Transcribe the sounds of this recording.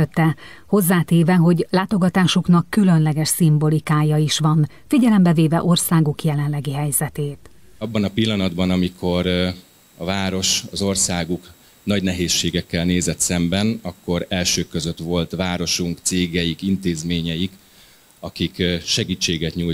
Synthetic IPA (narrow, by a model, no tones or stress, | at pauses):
øt̪ːɛho̞zːaːt̪eːvɛɦo̞ɟlaːt̪o̞ɡɒt̪aːʃuknɒkːylø̞nlɛɡɛʃsimbo̞likaːjɒiʃʋɒn | fiɟɛlɛmbɛveːvɛ̰ʔo̞rsaːɡukjɛlɛnlɛɡiɦɛjzɛt̪eːt̪ | ɒbːɒnɒpilːɒnɒd̪bɒnɒmikʰo̞ɾ | ɒvaːɾo̞ʃɒzo̞rsaːɡuk | nɒɟnɛɦeːʃːeːɡɛkːɛlneːzɛt̪sɛmbɛnɒkːo̞ɾɛlʃøːkːøzø̞t̪vo̞lt̪ʋaːɾo̞ʃuŋkt̪seːɡɛjikint̪eːzmeːɲɛjik | ɒkikʃɛɡiːt͡ʃːeːɡɛt̪ɲuːj